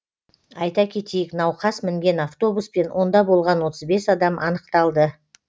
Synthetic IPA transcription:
ɑjt̪ɑkʲʰe̞t̪ejɪknɑwqʰɑsmɪŋɡʲe̞naft̪o̞buspe̞nwʔo̞nd̪ɑbo̞lˠʁɑnwo̞t̪əzbe̞sɑd̪ɑmʔɑnəq̚t̪ɑlˠd̪ə

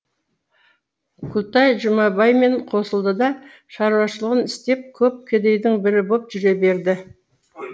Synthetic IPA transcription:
kʰut̪ɑjʒʊmɑbɑjme̞ɴqʰo̞səlˠd̪əd̪ɑ | ʃɑɾuwɑʃəlˠəʁənɪst̪e̞p̚kʲʰɵp̚kʲʰed̪e̞jd̪ɪŋbɪɾɪbop̚ʒ̥ʏɾe̞be̞ɾd̪ɪ

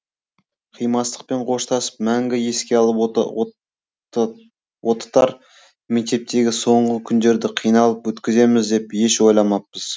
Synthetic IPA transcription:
qʰijmɑst̪ə̥q̚pe̞ɴqʰo̞ʃt̪ʰɑsə̥pmæŋɡʲɪje̞skʲelˠ | wo̞t̪ə̥t̪ɑɾ | mek̚t̪e̞p̚t̪ʰe̞ɡʲɪso̞ɴʁəkʲʰʏnd̪e̞ɾd̪ɪqʰijnɑlˠəpwɵt̪kʲɪze̞mɪzd̪e̞pje̞ʃwo̞jlˠɑmɑp̚ːəz̥

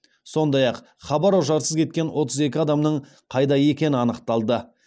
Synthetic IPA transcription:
so̞nd̪ɑjɑq | χɑbɑɾoʒɑɾsəzkʲʰe̞t̪̚kʲe̞nwo̞t̪əze̞kʲɪɑd̪ɑmnəɴ | qʰɑjd̪ɑje̞kʲe̞nɪɑnəqt̪ɑlˠd̪ə

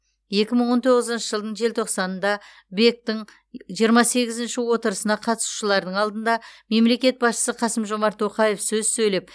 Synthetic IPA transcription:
je̞kʲɪməɴwo̞nt̪ʰo̞ʁəzənʃəʒəlˠd̪əɴʒe̞lt̪ʰoqsɑnənd̪ɑ | be̞k̚t̪ɪŋ | ʒijəɾmɑse̞ɡʲɪzɪnʃɪwo̞t̪əɾəsənɑqʰɑt̪ə̥su̥ʃəlˠɑɾd̪əɴɑlˠd̪ənd̪ɑme̞mle̞kʲe̞t̪̚bɑsʃə̥səqʰɑsəmʒo̞mɑɾt̪ʰːo̞qɑje̞fsɵzsɵjlep̚

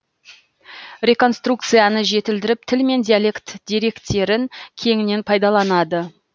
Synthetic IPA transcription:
ɾʲe̞ko̞nst̪ruk̚t̪sɨjanəʒe̞t̪ɪld̪ɪɾɪp̚t̪ʰɪlme̞nd̪ʲijalʲe̞kt̪d̪ijɾe̞kt̪ːe̞ɾɪŋkʲʰe̞ŋɪne̞npʰɑjd̪ɑlˠɑnɑd̪ə

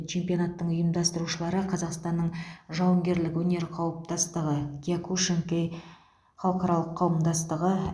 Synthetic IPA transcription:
t͡ʃʰe̞mpijo̞nɑt̪ːəɴʊjəmd̪ɑst̪əɾuʃəlˠɑɾəqʰɑzɑqst̪ɑnːəɴʒɑwəŋɡʲe̞ɾlɪkwɵne̞ɾqʰɑwəp̚t̪ɑst̪əʁəɡʲiakuʃeŋkej | χɑlˠəqɑɾɑlˠəqʰːɑwəmd̪ɑst̪əʁə

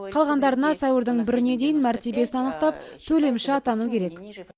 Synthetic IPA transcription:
qʰɑlˠʁɑnd̪ɑɾənɑsɑjwəɾd̪əɴbɪɾɪne̞d̪e̞jɪnmæɾt̪e̞be̞sɪnɑnəq̚t̪ɑpt̪ʰɵle̞mʃɪɑt̪ɑnukʲʰe̞ɾe̞k

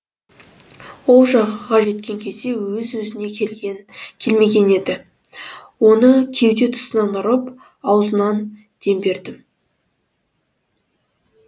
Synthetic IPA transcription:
wo̞lˠʒɑʁəʁɑʒe̞t̪kʲe̞ŋkʲʰe̞zd̪e̞wɵzwɵzɪne̞ | kʲʰe̞lme̞ɡʲe̞ne̞d̪ɪ | wo̞nəkʲʰe̞wd̪e̞t̪ʰʊ̥sənɑnʊɾəp | ɑwzənɑn | d̪̥e̞mbe̞ɾd̪ɪm

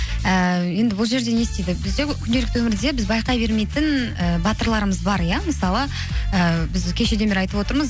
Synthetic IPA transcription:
əje̞nd̪ɪbʊlˠʒe̞ɾd̪e̞nest̪ejd̪ɪbɪzd̪ekʲʰʏnd̪e̞lɪk̚t̪wɵmɪɾd̪e̞bɪzbɑjqɑjbe̞ɾme̞jt̪ɪnəbɑt̪əɾlˠɑɾəməzbɑɾjaməsɑlˠə | əbɪzkʲʰe̞ʃe̞d̪e̞beɾɑjt̪əpwo̞t̪əɾməz

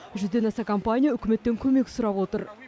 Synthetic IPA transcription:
ʒʏzd̪e̞nɑsɑkʰompanʲijaʏkʲɪme̞t̪ːe̞ŋkʲʰɵme̞kʲsʊɾɑpwot̪əɾ

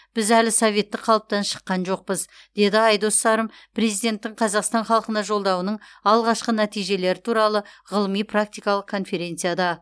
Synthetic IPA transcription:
b̥ɪzælɪsove̞t̪ːɪkqʰɑlˠəp̚t̪ɑnʃə̥qːɑnʒo̞q̚pəz | d̪̥e̞d̪ɪɑjd̪o̞st̪ɑɾəmpɾe̞zijd̪ʲe̞nt̪ːɪɴqʰɑzɑqst̪ɑnχɑlˠəqənɑʒo̞lˠd̪ɑwənəɴɑlˠʁɑʃqənæt̪ijʒe̞le̞ɾɪt̪ʰuɾɑlˠəʁəlˠəmijpʰrak̚t̪ijkɑlˠəq̚kʰːo̞nfe̞ɾʲe̞nt̪sɨjad̪ɑ

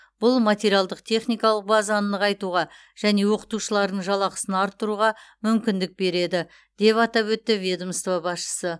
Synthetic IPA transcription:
b̥ʊlˠmat̪ʲeɾijalˠd̪əq̚t̪ʰe̞χnijkɑlˠəq̚bɑzɑnd̪əqɑjt̪uʁɑ | ʒ̥æne̞wo̞qə̥t̪uʃəlˠɑɾd̪əɴʒɑlˠɑqəsənɑɾt̪ːəɾuʁɑmʏmkʲɪnd̪ɪk̚be̞ɾe̞d̪ɪ | d̪̥e̞pɑt̪ɑpwɵt̪ːɪvʲed̪omst̪vobɑsʃə̥sə

